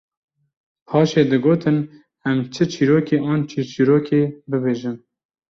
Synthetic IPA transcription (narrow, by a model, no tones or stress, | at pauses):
pʰɑːʃeːd̪ɨɡoːt̪ʰɨn | ɛmt͡ʃʰɨt͡ʃʰiːɾoːkeːʔɑːnt͡ʃʰit͡ʃiːɾoːkeːbɨbeːʒɨm